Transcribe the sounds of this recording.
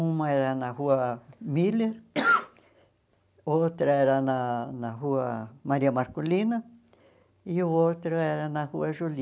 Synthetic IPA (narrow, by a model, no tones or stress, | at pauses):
ũmãeɾanãɦuamileɾ | ot̪ɾaeɾanãnãɦuamaɾiamaɾkulinã | iot̪ɾaeɾanãhuaʒul